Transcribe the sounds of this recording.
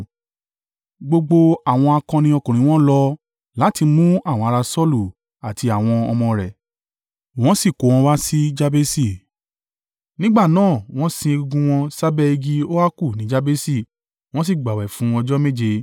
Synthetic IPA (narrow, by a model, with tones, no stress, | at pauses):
ɡ͡bo˧ɡ͡bo˧a˦˨w̃ɔ̃˧a˧kã˧nĩ˧˦ɔ˧kũ˨ɾ̃ĩ˨˦w̃ɔ̃˦lɔ˧ | la˨˦ti˧mũ˦a˦˨w̃ɔ̃˧˦a˧ɾa˧sɔ˦lu˦˨ | a˨ti˧a˨w̃ɔ̃˧ɔ̰˧mɔ̃˧ɾɛ˨ | w̃ɔ̃˦si˦˨ko˨˦w̃ɔ̃˧˦wa˦si˦d͡ʒa˦be˦si˦˨ | nĩ˦ɡ͡ba˦˨nãː˦˨w̃ɔ̃˦sĩ˧e˧ɡu˧ɡũ˧w̃ɔ̃˧sa˦bɛ˦˧i˧ɡi˧o˦wa˦ku˦˨nĩ˨˦d͡ʒa˦be˦si˦˨ | w̃ɔ̃˦s̬i˦˨ɡ͡ba˨wɛ˨fũ˨˦ɔ˧d͡ʒɔ˦me˦˨d͡ʒe˧